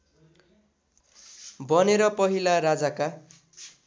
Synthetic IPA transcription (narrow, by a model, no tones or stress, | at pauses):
bʌneɾʌpʌɦilaɾad͡zaka